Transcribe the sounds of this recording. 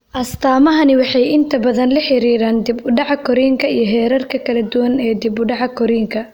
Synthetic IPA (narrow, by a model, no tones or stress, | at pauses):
ʔɐst̪ʰaːmɐɦɐnɪwɑħɑjɪnt̪ʰɐbɐðɐnlɐħɪɾiːɾaːnd̪ɪbʊɖɑʕɑkʰɔɾiːŋkʰɐijɞɦɛːɾɐrkʰɐkʰɐlɐd̪ʊwɐnɛːd̪ɪbʊɖɑʕɐkʰɔɾiːŋkʰɐ